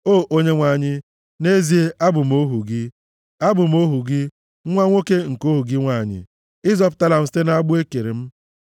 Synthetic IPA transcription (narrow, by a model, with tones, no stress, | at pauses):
oː˦˨ʔo˦ɲe˦ŋʷa˨ɲɪ˦ | ne˦zi˨e˦ʔa˦bʊ˨m̩˦o˦ɦu˨ɡɪ˦ | a˦bʊ˨m̩˦o˦ɦu˨ɡɪ˦ | ŋʷa˦ŋʷo˦ke˦ŋ̩˨ko˦ɦu˨ɡɪ˦ŋʷa˦˨ɲɪ̰˨ | ɪ˦zɔ˦pʊ̥˨ta˦la˨m̩˨ste˦na˦ɡ͡bʊ˦e˦ke˨ɾe˨m̩˦